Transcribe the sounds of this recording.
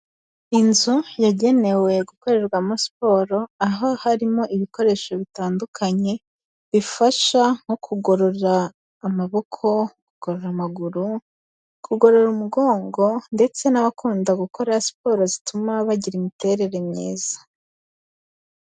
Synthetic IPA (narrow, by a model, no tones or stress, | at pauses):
inzujaɟe̞ne̞we̞ɡuko̞ɾe̞ɾɡwamosi̥po̞ːɾo̞aɦohaɾimo̞ʔiβiko̞ɾe̞ːʃo̞βitaːndukʰaɲe̞ | βifaʃaŋ̥hokʰuɡo̞ɾo̞ɾaː | maβo̞kʰo̞kuɡ̥oɾoɾamaɡuɾu | kuɡo̞ɾo̞ɾumuɡo̞ːŋɡo̞nde̞t͡se̞naβakuːndaɡuko̞ɾasi̥po̞ɾozi̥tumaβaɟiɾimite̞ɾe̞ɾe̞mɲeːz̥ḁ